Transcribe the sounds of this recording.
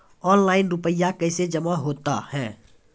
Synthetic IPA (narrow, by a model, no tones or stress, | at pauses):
ɔːnlaːɪnɾʊpəjakəɪsed͡ʒəmaɦoːt̪a̰hɛ̃ː